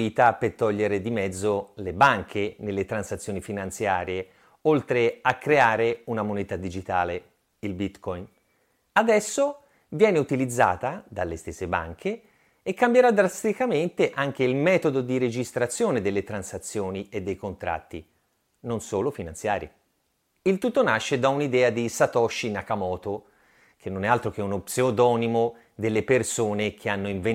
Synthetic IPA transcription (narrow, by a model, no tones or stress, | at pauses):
iːt̪apert̪ːɔʎːeɾed̪imɛd̪zːolebaŋkʰenelːet̪ɾansat̪sːjoːnifinant̪sjaːɾje | olt̪ɾeakːɾeaːɾeunamonɛːt̪ad̪id͡ʒit̪a̰ːle | ilbit̪kɔjn | ad̪ɛsːo | vjɛːneut̪ilid̪zːa̰ːt̪ad̪alːest̪esːeba̰ŋkʰeː | kːambjeɾad̪ːɾast̪ikament̪eʔaŋk̟eilmɛːt̪od̪od̪iɾed͡ʒist̪ɾat̪sːjoːned̪elːet̪ɾansat̪sːjoːnied̪ːejkont̪ɾʔa̰t̪ːḭ | nonsoːlofinansja̰ːɾjḛ | ilt̪ut̪ːonaʃːed̪aunid̪ɛːad̪isat̪ɔʃːinakamɔːt̪o | kʰenːonɛalt̪ɾok̟eunopseod̪ɔːnimo | d̪elːepersoːnek̟ʰeanːoiɱve